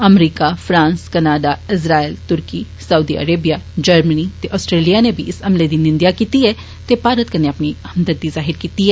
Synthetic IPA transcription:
ɐmɾiːkafɾãːnskɐnaːɖaɪsɾaːelt̪ʊɾki | sɐud̪iɐ̰ɾeːbijad͡ʒɐɾmənit̪eʔɔːsʈɾeːlijanebʱiʔɪsɐmled̪inɪ̃nd̪jakiːt̪iɦɛ | t̪epaːɾət̪̚kɐɾneɐpnihɐmd̪əd̪̚d̪izaːɦɪɾkiːt̪iɦɛː

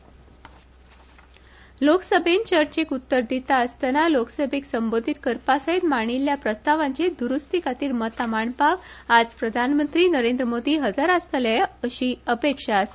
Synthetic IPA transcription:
loksəbʱent͡ɕəɾt͡ɕekut̪ːəɾd̪ʱit̪aəst̪analoksəbʱeksəmbod̪ʱit̪kəɾpasaɦit̪maɽ̃iljapɾəst̪aʋaɲt͡ɕed̪uɾust̪ikat̪iːɾmət̪amaɳpaʋad͡zpɾəd̪ʱanmənt̪ɾiːnəɾend̪ɾəmod̪ʱiːɦəd͡zaɾast̪laəɕiːəpekʂaəs

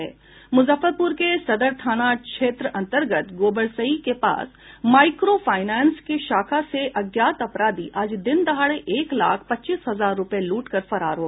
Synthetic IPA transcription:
ɛ̰ː | mʊzəfəɾpʊɾkesɐd̪əɾt̪ʰaːnakʃeːt̪ɾəɐ̃nt̪əɾɡət̪ɡoːbəɽsəikepa̰ːs | maːɪkɾofaːɪnɛːnskeʃaːkʰaseʔɐɡjaːt̪ɐpɾaːd̪iʔaːd͡ʒd̪ɪnd̪ɐɦaːɽeʔeːkla̰ːkʰpɐtːt͡ʃiːsɦɐzaːɾːʊpeluːʈkɐɾfɐɾa̰ːɾɦoːɡ

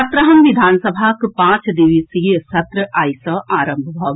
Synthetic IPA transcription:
ɐt̪ɾəɦɐmʋid̪ʱaːnsəbʱakpãːt͡ʃd̪iʋisisɐt̪ɾəʔaːjsəaːɾə̃mbʱbʱɔːɡ

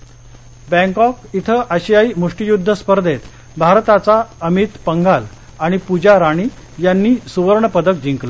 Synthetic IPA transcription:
bɛ̃ŋkɔkit̪ʰəʔəɕjaimuʂʈijud̪ʱːəspəɾd̪ʱet̪ | bʱaɾt̪at͡saəmit̪pəŋɡal | aɽ̃ipud͡ʑaɾaɽ̃iː | janːiːsuʋəɾɳəpəd̪ək̚d͡ʑiŋkla

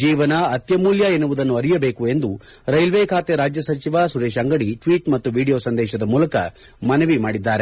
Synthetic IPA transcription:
d͡ʒiːʋɐnɐɐt̪jɐmuːljɐenuʋud̪ɐnːuɐɾijɐbeːkue̞nd̪u | ɾɐjlʋeːkʰaːt̪eɾaːd͡ʒjɐsɐt͡ʃiʋasuɾeːʃɐŋɡɐɽiʈʋiːʈmɐt̪ːuʋiːɽijo̞ːsɐnd̪ɛːʃɐd̪ɐmuːlɐkɐ | mɐnɐʋimaːɽid̪ːaːɾe

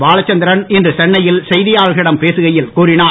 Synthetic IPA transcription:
ʋaːɭɐt͡ʃːɐnd̪ɪɾɐnɪndrɯsɛɳːɐjɪlsɛjðɪjaːɭɣɪɽɐmpeːsɯɣɐjɪlkuːɾɪnaː

